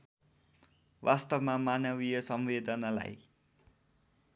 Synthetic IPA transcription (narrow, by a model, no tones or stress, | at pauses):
wast̪ʌbmamanʌβijʌsʌmwed̪ʌnala̰j